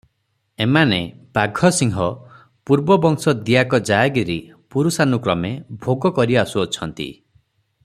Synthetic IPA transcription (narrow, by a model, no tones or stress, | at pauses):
emanepaɡʱɔsiŋɦɔ | puɾbɔbɔŋsɔd̪ijakɔd͡ʒajɡiɾi | puɾusanukɾɔmebʱoɡɔkɔɾiasuɔt͡ʃʰɔnt̪ḭ